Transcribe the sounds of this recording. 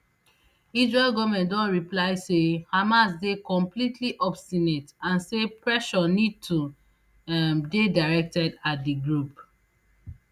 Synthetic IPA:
isɹelɡɔvmɛ̃ndɔ̃nɹiplaɪsehamasdekɔ̃mplitʰliʔɔbstinetãnsepʰɹɛʃɔnid̚tʰu | mdedaɪɹɛk̚tɛdatdiɡɹup

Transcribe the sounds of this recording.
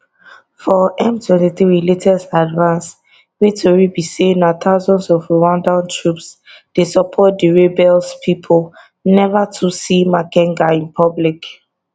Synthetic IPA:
fɔɛ̃mtʰwɛ̃ntiθɹiɹiletʰɛsadvãns | ɹitʰɔɹibisenat̪ʰaʊzɔ̃ndsɔvwãndãntʰɹupsd̥esɔpʰɔt̚diɹebɛlspʰipʰɔl | nɛvatʰusimakɛ̃ŋɡaĩnpʰɔblik

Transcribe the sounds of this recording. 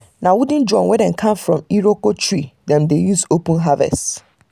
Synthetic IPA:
nãwudĩnd͡ʒɔ̃nwɛdɛ̃nkʰãmfɹɔ̃miɾokotʰɹidɛ̃mdejusopə̃nɦavɛ̰st

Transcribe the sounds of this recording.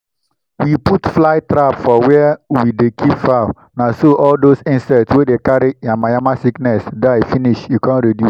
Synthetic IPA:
wiputflaɪtɾapfɔwɛwidekʰipfaʊ | nasoʔɔldosĩnsɛtswedekaɾijãmajamasiknɛsdafiniʃjukãnɹidjus

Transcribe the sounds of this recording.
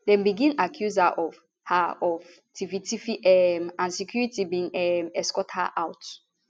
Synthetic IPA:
dɛ̃mbiɡĩnakʰjuzaʔɔv | haɔv | tʰivitifiʔɛmãnsikjuɹitibĩŋɛmɛskɔtha̰ʔawt

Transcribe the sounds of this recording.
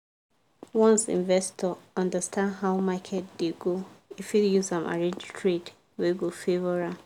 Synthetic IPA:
wɔ̃nsḭ̃nvɛstʰɔɔ̃ndəstʰãndɦaʊmakʰɛtdeɡoifitjusãma̰ɹẽnd͡ʒtʰɹed | wiɡofevɔɹa

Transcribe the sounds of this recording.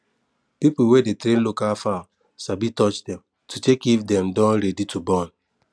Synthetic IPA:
pipl̩wedetɾẽn̩lukafa | sabitɔt͡ʃdɛ̃m | tutekivdɛmdɔ̃nɾeditubɔn

